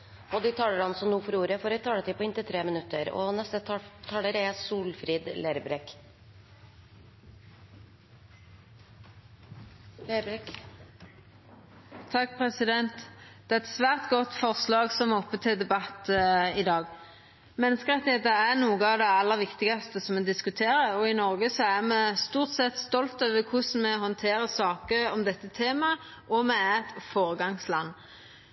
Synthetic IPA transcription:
ɔd̪ɪt̪ʰɑːləɾɑnsɔmnuːfɔɾuːɾəfɔɾɛt̪ʰɑːlət̪ʰiːpɔɪnt̪ət̪ʰɾeːmənʉt̪ːəɾɔ̰nɛst̪ət̪ʰɑːləɾɛsuːlfɾiːd̪leɾbɾɛk | t̪ʰɑk̚ːpʰʁɛsɪd̪ɛnt̪d̪̥ɛːæʁɛt̪sʋæːʁt̪ɡɔt̪ːfɔʁslɑːɡsɔmɔpːət̪ʰɪld̪ɛbɑt̪ːɪd̪ɑːɡ | mɛnəskəʁɑt̪̚d̪ɛt̪ːəæʁnuːɡəɑʋd̪ɛɑlːəʁʋɪkt̪ɪɡɑst̪əsɔmɛd̪ɪskʉt̪ʰeːɾəɔɪnɔʁɡəsɔæʁmɛst̪uːʁt̪sɛt̪st̪ɔlt̪øːʋəkʰʊsn̩mɛɦɔnt̪ʰeːɾəsɑːkəɔmd̪ɛt̪ːət̪ʰeːmɑ | ʔɔmɛæt̪foːɾəɡɑŋslɑnː

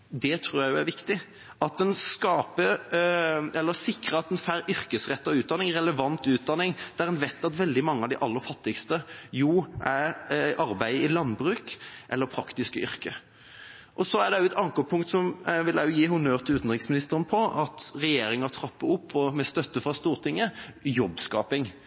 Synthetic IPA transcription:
d̪ɛt̪ʰɾuːjæɪjʊæɾʋɪkt̪ɪ | ɑt̪ɛnskɑːpə | ɛlːəsɪkɾəɑt̪ɛnfæɾʏɾkəsʁɛt̪ːɑʉːt̪d̪ɑnːɪŋɾɛləʋɑnt̪ʉːt̪̚d̪ɑnːɪŋd̪æɾɛnʋæɪt̪ːɑt̪ʋɛld̪ɪmɑŋːəɑʋd̪ɪʔɑlːəɾfɑt̪ːɪkst̪əjuːʔæɾʔɑɾbæɪɪlɑnbɾʉːkʔɛlːəɾpʰɾɑkt̪ɪskəʏɾkə | ʔɔsɔæd̪ɛjʊɛt̪ʰɑŋkoːpʰʊŋkt̪sɔmʋɪljæjʊjiːɦʊnøːʁt̪ʰɪlʉːt̪n̩ʁɪksmɪnɪst̪əɾənpʰɔʔɑt̪ʁɛjeːɾɪŋɑt̪ʰɾɑpːəʊpːɔmɛst̪œt̪ːəfʁɑst̪uːɾt̪ʰɪŋːəjɔbskɑ̰ːpɪŋ

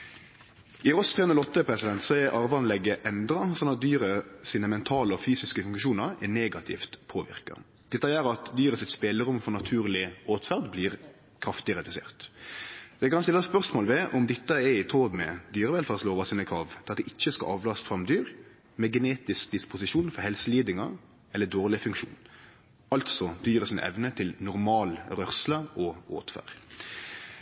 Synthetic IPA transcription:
ɪɾɔst̪ʰɛːʉnlɔt̪ːəpʰɾɛsɪd̪ɛnt̪sɔɛʔɑɾʋɑnlɛɡːəʔɛnd̪ɾɑsɔnːɑt̪̚d̪yːɾəsiːnəmɛnt̪ʰɑːləɔfyːsɪskəfʉŋkʃuːnəɾɛneːɡɑt̪ʰɪ̰ft̪pʰoːʋɪ̰ʁkɑ̰ | d̪̥ɛt̪ːɑjæɾɑt̪d̪yːɾəsɪt̪speːləɾʊmfɔʁnɑt̪ʰʉːʁlɪoːt̪fæʁd̪bliːʁ | kʰɾɑft̪ɪɾɛd̪ʉsḛːʁt̪ | ɛkɑnst̪ɪlːəspœʁsmoːlʋɛʔɔmd̪ɪt̪ːəɛɪt̪ʰoːd̪mɛ̰d̪yːɾəʋɛlfɑːʁsloːʋɑsiːnəkʰɾɑːʋt̪ʰɪlɑt̪d̪ɪʔɪçːəskɑ̰ʔɑːʋlɑst̪fʁɑmd̪yːɾ | mɛɡɛneːt̪ɪsk̚d̪ɪspʊsɪʂuːnfɔɾhɛlsəliːd̪ɪŋɑ | ɛlːəd̪oːʁlɪfʉŋkʃṵːn | ɑlt̪sɔd̪̥yːɾəsɪnə̰ʔɛ̰ʋnət̪ʰɪlnʊɾmɑːlɾœʁsləʔɔo̰ːt̪fæ̰ːʁd

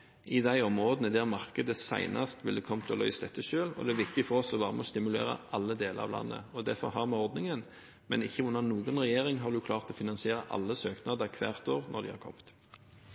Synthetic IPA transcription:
ʔɪd̪æɪɔmʁoːd̪nəd̪æʁmɑʁkəd̪əsæ̰ɪnɑst̪ʋɪld̪ɛkʰɔmt̪ʰɔlœ̰ʏsd̪ɛt̪ʰːəʃøːlɔ̰d̪ɛæʋɪkt̪ɪɡfɔɾɔsɔʋɑːʁməɔst̪ɪmʉlḛːɾə̰ʔɑlːəd̪eːlə̰ɾɑ̰ʋlɑ̰nːʔə̰ɔd̪æɾfɔɾɦɑːɾmɛɔɾd̪nɪŋən | mɛ̰nɪçːəʉnːəʁnuːɡənʁɛjeːɾɪŋɦɑɾd̪ʉjʊkʰlɑːʁt̪ɔfɪnɑnsɪeːʁəʔɑ̰lːəsøːknɑd̪əkʰʋæ̰ːʁt̪oːʁnʔɔ̰ɾd̪ɪ̰hɑ̰ɾkʰɔ̰mt̪

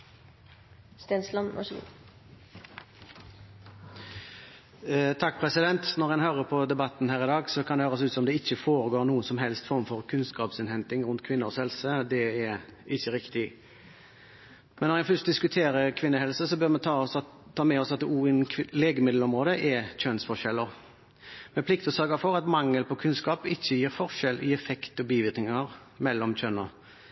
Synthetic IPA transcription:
st̪enslɑnmɑ̰ʂ | t̪ʰɑk̚ːpʰɾɛsɪd̪ɛnt̪nɔʁɛnhøːɾəɾpʰɔd̪ɛbɑt̪ːnhæːʁɪd̪ɑːɡsɔkʰɑnɛhøːɾəsʉːt̪sɔɔmd̪ɛɪçːəfoːɾəɡoːʁnuːənsɔmɦɛlst̪fɔʁmfɔʁkʰʉnskɑːpsɪnhɛnt̪ɪŋɾʉnt̪kʰʋɪnːəɔshɛlsəd̪ɛɛɾɪçːəʁɪkt̪ɪ | mɛnːɔɾjæfʏst̪̚d̪ɪskʉt̪ʰeːɾəɾkʰʋɪnːəhɛlsəsɔbøɾmɛnt̪ʰɑsʰː | ɑːmɛɔsɑt̪̚d̪ɛʔuːɪnʰleːɡəmɪd̪l̩ɔmʁoːd̪əʔɛc͡çœnsfɔʁʃɛlːəɾ | mɛpʰlɪkt̪ɔsœɾɡəfɔɾɑt̪mɑŋːəlpɔkʰʉnskɑːpɪçːəjiːɾfɔʁʃɛlʔɪɛfɛkt̪ɔbiːʋɪɾknɪŋɑɾ | mɛlːɔmc͡çœnːɔ

